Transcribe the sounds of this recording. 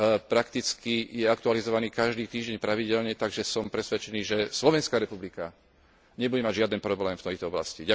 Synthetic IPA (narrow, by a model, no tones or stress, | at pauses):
pɾakt̪it͡skijɛakt̪ualizɔʋaniːkaʒd̪iːt̪iːʒɟɛɲpɾaʋiɟɛlɲɛt̪aɡʒɛsɔmpɾɛsʋɛt͡ʃɛniːʒɛslɔʋɛnskaɾɛpublika | ɲɛbuɟɛmaɟʒɪad̪ɛnpɾɔblɛːmft̪ɛjt̪ɔɔbla̰sciɟa